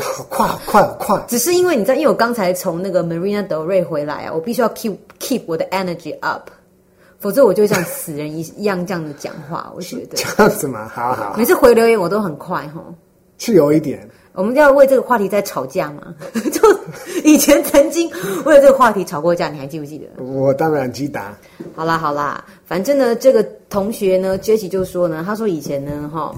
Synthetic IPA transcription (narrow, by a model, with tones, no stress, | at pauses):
kʰwa˥˩ɪə˨kʰwa˥˩xə˨˩kʰwa˥˩ɪʈ͡ʂɻ̩˨˩ʂɻ̩˥˩i˥nwe˥˩ni˨˩t͡sa˥˩˧wɔ˨˩kɑ˥ŋt͡sʰa˧˥ɪt͡sʰo˧˦ŋna˥˩ɡə˩mə˨ɹi˥na˧t̪ə˧˥ʊɹe˥˩ɪxwe˧˥ɪla̰˧˥ɪa̰˨wɔ˨˩pi˥˩ɕy˥jɑ˥˩ʊkʰi˥pkʰi˥˧p̚ʰwɔ˨˩d̪ə˦ʔɛ˥nə˨d͡ʒi˨ʔɐ̰˦˩pʰ | fo˨˩ʊt͡sə˧˦wɔ˨˩t͡ɕjo˥˧ʊɕjɑ˥˩ŋsɹ̩˨˩ɻə˧˦ni˧˥i˧˥jɑ˥˧ŋʈ͡ʂjɑ˥˩ŋd͡zə˩t͡ɕjɑ̰˨˩ŋxwa̰˥˩wɔ̰˨˩t͡ɕɥɛ̰˧˥d̪ə˧˦˥ŋ̩˨˩mɐ̰˨˩hɑ̰˨˦˨e˧˥ʂ̬ɻ̩˥˩xwe˧ɪljo˧˥ʊjɛ˧˥˦nwɔ˨˩t̪o˥ʊxə˨˩nkʰwa˥˧ɪxɔ̰˥˧˩ | ʂ̩˥˩jo˨˧˦ʊi˥˩t̪jɛ˨˩˦n | wʔɔ˨˩mə˦njɑ˥˧ʊwe˥˧ɪʈ͡ʂɤ˥˩ɡə˧xwa˥˩t̪ʰi˧˥t͡sa˥˩ɪʈ͡ʂʰɑ˨˩ʊt͡ɕja˥˩ma̰˩t͡ɕjo˥˩ʊi˨˩t͡ɕʰjɛ˧˦nt͡sʰə˧˥nt͡ɕi˦˥ŋwe˥˩lə˧ʈ͡ʂɤ˥˩ɡə˧xwa˥˩t̪ʰi˧˥ʈ͡ʂʰɑ˨˩ʊkwɔ˥˧t͡ɕja˥˩ni˨˩xa˧˥ɪt͡ɕi˥˩pu˧t͡ɕi˥˩d̪ə̰˩wɔ˨˩t̪ɑ˥ŋa˨˩ŋt͡ɕi˥t̪a̰˧˦ | xɑ˨˩ʊlə˦xɑ˨˩ʊlə̰˦ | fa˨˩nʈ͡ʂə˥˩ŋd̪ə˨ʈ͡ʂɤ˥˩ɡə˩t̪ʰo˧˥ŋɕɥɛ˧˥nə˧t͡ɕɥɛ˥t͡ɕʰi˨˩t͡ɕjo˥˩ʊ˧˩ʂwɔ˥nə˨t̪ʰa˥ʂ̬wɔ˥i˨˩t͡ɕʰjɛ˧˥nnə˧xɔ̰˥˩